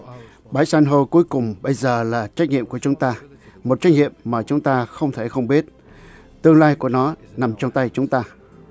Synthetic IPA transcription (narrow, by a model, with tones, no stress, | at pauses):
ɓaː˨˦jsa˧nɦo˧jku˨˦əjkʊ˨˩ŋ͡mɓə˧jzəː˨˩laː˨˩t͡ɕa˦˥k̚ɲḭ˧˨əmku˧˩ət͡ɕʊ˨˦ŋ͡mt̪aː˧ | mo˨˩t̚t͡ɕa˦˥k̟̚ŋḭ˧˨əmːaː˨˩t͡ɕʊ˨˦ŋ͡mt̪aː˧xə˧wŋ͡mt̪ʰe˧˩xə˧wŋ͡mɓi˦˥ət̚ | t̪ɨ˧əŋlaː˧jku˧˩ənɔ˨˦na˨˩mt͡ɕɔ˧wŋ͡mt̪a˧jt͡ɕʊ˨˦ŋ͡mt̪aː˧